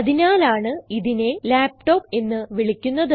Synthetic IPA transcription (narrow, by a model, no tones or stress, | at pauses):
ɐðinaːlaːɳɨiðine̞laːp̚ʈo̞ːpːe̞nːɨʋiɭikʲːunːɐðɨ